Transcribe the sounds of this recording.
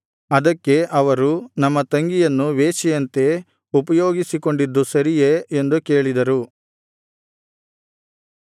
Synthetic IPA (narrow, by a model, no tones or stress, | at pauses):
ɐd̪ɐkːe̞ʔɐʋɐɾunɐmːɐt̪ɐŋɡijɐnːuʋeːt͡ʃɛjɐnt̪e̞ | upɐjoːɡisiko̞ɳɖid̪ːusɐɾijeːnd̪uke̞ːɭid̪ɐɾu